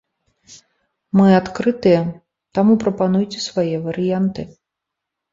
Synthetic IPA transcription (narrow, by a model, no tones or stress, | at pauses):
mɨat̪kɾɨt̪ɨjɐ | t̪amupɾɐpanujt͡sʲɛsvajɛvɐɾɨjant̪ɨ